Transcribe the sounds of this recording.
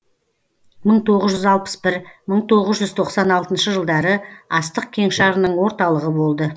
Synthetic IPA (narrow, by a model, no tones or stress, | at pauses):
məɴt̪ʰo̞ʁəzʒʏzɑlˠpə̥sbɪɾməɴt̪ʰo̞ʁəzʒʏzt̪ʰo̞qsɑnɑlˠt̪ənʃəʒəlˠd̪ɑɾəɑst̪əq̚kʲʰe̞ŋʃɑɾənəɴwo̞ɾt̪ɑlˠəʁəbo̞lˠd̪ə